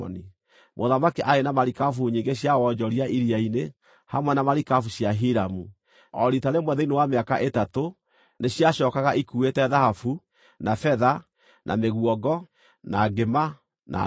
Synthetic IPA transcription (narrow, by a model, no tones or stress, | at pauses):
ɔ̰ni | mʔoðamakiʔaɾenamaɾikafuɲiːŋɡeɕjawɔɲd͡ʒɔɾiaʔiɾiaine | hamwɛnamaɾikafuɕjaɦiɾamu | ɔɾitaɾemwɛðɛinewameakaʔetato | neɕjaɕɔkaɣaʔikuetɛðahafu | nafɛða | nʔa̰meɣuɔɡɔ | naɡema | nʔa̰